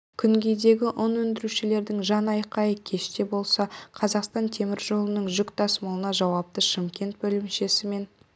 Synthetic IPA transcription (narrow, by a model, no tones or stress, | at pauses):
kʲʰʏŋɡʲe̞jd̪e̞ɡʲɪʔʊnwɵnd̪ɪɾuʃɪle̞ɾd̪ɪŋʒɑnɑjqɑjəkʲʰe̞ʃt̪e̞bo̞lˠsɑqʰɑzɑqst̪ɑnt̪ʰe̞mɪɾʒo̞lˠənəɴʒʏkt̪ʰɑsməlˠənɑʒɑwɑp̚t̪əʃɪmkʲe̞nt̪̚bɵlɪmʃe̞sɪme̞n